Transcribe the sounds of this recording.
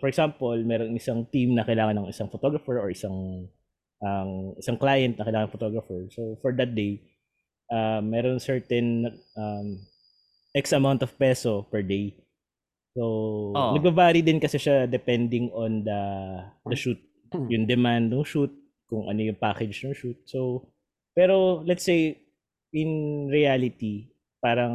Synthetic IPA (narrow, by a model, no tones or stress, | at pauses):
fɔɹɛksampolmɛɾoŋɪsaŋt̪imnɐkɪlaːŋɐnɐŋɪsaŋfɔt̪oɡɹɐfɛɹoɹʔɪsaŋ | ʔɐmʔɪsaŋklajɐnt̪nɐkɐɪlaːŋɐnɐŋfɔt̪oɡɹɐfɛɹsowfɔɹd̪ɐt̪̚d̪ej | ʔamːɛːɾonŋsɛɹt̪ɛnʔɐm | ʔɛksɐmawnt̪ɔv̥pɛsopɛɹd̪ej | sownɐɡ̚babaːɾid̪ɪnkɐsɛʃad̪ɛpɛnd̪ɪŋõnd̪ɐd̪ɐʃut̪̚ | jʊŋd̪ɛmand̪nʊŋʃut̪̚ | kʊŋʔɐ̰no̞jʊŋpaːkɛd͡ʒnʊŋʃut̪̚sow | pɛːɾolɛt̪sej | ɪnɹialɪt̪i | paːɾɐŋ